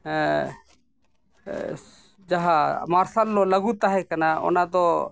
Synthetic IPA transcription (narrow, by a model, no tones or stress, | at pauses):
d͡ʒaɦamaɾsalːɔləɡut̪aɦɛkanaɔ̰nad̪ɔ